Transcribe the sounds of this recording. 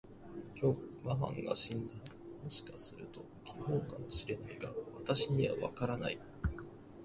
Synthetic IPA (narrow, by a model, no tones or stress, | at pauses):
kʲoːmamã̰ŋɡa̰ɕĩnd̪a | mo̞ɕi̥kasɨɾɯ̟t̪o̞ | kʲʰiɦõ̞ːkamo̞ɕiɾe̞naikaβat̪aɕiɲ̟iβa̰βa̰kaɾana̰i